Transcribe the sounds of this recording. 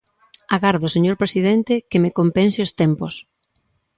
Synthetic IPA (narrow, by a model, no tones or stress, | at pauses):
aɣaɾðoseɲoɾpɾesiðɛnt̪ɪkemekompensɪost̪ɛmpos